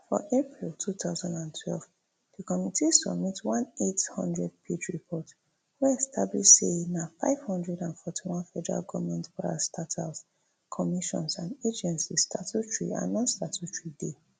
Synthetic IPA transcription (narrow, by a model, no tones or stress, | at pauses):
fɔ̰ʔepɹiltʰut̪aʊzãndãntʰwɛlv | d̥ikɔmitisɔ̰bmitwɔ̃nethɔ̰̃ndɹɛd̚pʰed͡ʒɹipʰɔt | wɛɛstʰabliʃsenafaɪv̥hɔ̃ndɹɛdãnfɔtʰiwɔ̃nfɛdɛɹa̰lɡɔmɛ̃ntpaɹa̰stʰatʰas | kʰɔmiʃɔ̰̃nsãnded͡ʒɛ̃nsistʰatutɹḭã̰nːɔ̃nstatʰutɹide